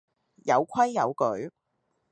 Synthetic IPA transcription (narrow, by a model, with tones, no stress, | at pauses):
jɐ˨˧wkʷʰwɐ˥jːɐ˨˧wkɵ˨˥ɥ